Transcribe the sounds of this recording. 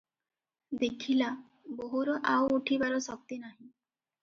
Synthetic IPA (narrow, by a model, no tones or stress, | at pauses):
d̪ekʰila | bɔɦuɾɔʔawuʈʰibaɾɔsɔk̚t̪inaɦĩ